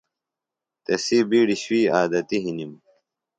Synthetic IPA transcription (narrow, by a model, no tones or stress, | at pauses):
t̪esibiːɽiɕwiːaːd̪ɐt̪iɦinim